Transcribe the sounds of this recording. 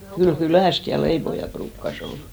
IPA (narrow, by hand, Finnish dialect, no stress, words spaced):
kyl kylæˑst jɑ leipojɑ pruːkːɑs ol